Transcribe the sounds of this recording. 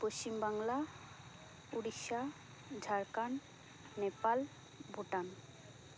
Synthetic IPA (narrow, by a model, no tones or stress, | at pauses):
poʃt͡ɕimbaŋla | uɽikʃa | d͡ʒʱaɾkanː | epal | bʱuʈan